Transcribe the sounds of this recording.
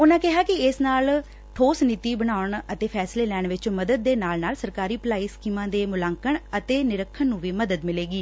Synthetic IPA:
ʊnãːkɪɦaːkɪɪsnaːl | ʈʰoːsniːt̪iːbəɽ̃aːʊɳət̪eːpʰɛːsleːlɛːɳʋɪt͡ʃməd̪əd̪̚ːeːnaːlnaːlsəɾkaːɾiːpəlaːiːskiːmãːd̪eːmʊlaːŋkəɳət̪eːnɪɾəkʰːənːũːʋiːməd̪əd̪mɪleːɡiː

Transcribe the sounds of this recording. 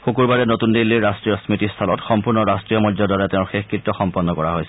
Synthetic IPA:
xokuɹbaɹɛnotundilːiɹɹastɹijɔsmitist̪ʰalɔtxɔmpuɹnɔɹastɹijɔmɔdzɔdɔɹɛtɛʊ̃ɹxexkɹitːɔxɔmpɔnːɔkɔɹaɦojsɛ

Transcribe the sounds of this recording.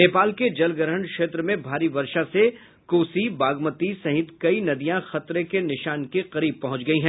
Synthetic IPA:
neːpaːlked͡ʒɐlɡəɾɦəɳkʃeːt̪ɾəmẽbʱaːɾiʋɐɾʃase | koːsibaːɡmət̪isɐɦɪt̪kɐinɐd̪ijãxɐt̪ɾekenɪʃaːnkeqɐɾiːb̚pɐɦʊ̃t͡ʃɡɐiɦɛ̃ː

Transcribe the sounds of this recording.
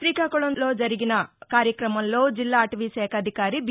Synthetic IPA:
t̪ɾiːkakoɭonloːd͡ʒɐɾiɡinɐkaːɾjɐkɾɐmɐnlːoːd͡ʒilːaːʈɐʋiːsɛːkʰɐd̪ʱikaːɾib

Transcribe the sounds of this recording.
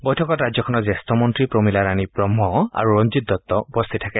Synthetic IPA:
bɔjtʰɔkɔtɹazɔkʰɔnɔzɛstɔmɔntɹipɹomilaɹanibɹɔmɦɔa̰ɹuɹɔnzit̚dɔt̪ːɔupɔst̪ʰitʰakɛ

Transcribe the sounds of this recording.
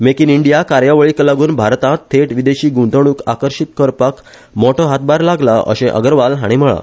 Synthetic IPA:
mekiniɳɖijakaɾjaʋəɭiːkəlaɡuːnbʱaɾt̪ãt̪ʰːeʈʋid̪eɕiːɡũnt̪əɽ̃uːka̰kəɾɕit̪̚kəɾpak | mɔʈɔɦat̪̚baɾlaɡlaʔə̰ɕẽʔə̰ɡəɾʋalɦaɽ̃iməɭa̰

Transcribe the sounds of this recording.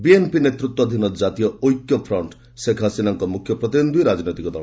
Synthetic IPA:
bienpinet̪ɾut̪wɔd̪ʱinɔd͡ʒat̪ijɔojkjɔpʰɾɔɳʈ | sekʰasinɔŋkɔmukʰjɔpɾɔt̪ind̪ʱwiɾad͡ʒɔnojt̪ikɔd̪ʱɔɭ̃

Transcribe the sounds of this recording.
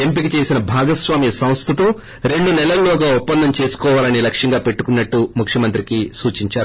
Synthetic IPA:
e̞mpikit͡ʃe̞ːsinɐbʱaːɡɐsʋaːmjɐsɐw̃st̪ʰɐt̪oː | ɾe̞ɳɖunɛlɐlːɔːɡaːupːɐnd̪ɐmt͡ʃe̞ːsu̥kɔːʋaːlɐnilɐkʂɐŋɡaːpe̞ʈːu̥kunːɐʈːumukʰjɐmɐnt̪ɾikisuːt͡ʃiɲt͡ʃaːɾu

